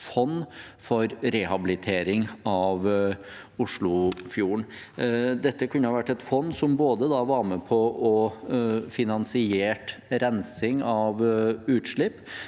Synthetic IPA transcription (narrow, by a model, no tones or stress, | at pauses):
fɔnːfɔɾɾɛhɑbɪlɪt̪ʰeːɾɪŋɑʋ | ʊʂɭʊfjuːəɳ | d̪ɛt̪ːəkʰʉnːəhɑːʋæʈːɛt̪fɔnːsɔmboːd̪əd̪ɑːʋɑːɾməpʰɔɔ | fɪnɑnsɪeːʈɾɛnsɪŋɑʋʉːt̪ʂɭɪpː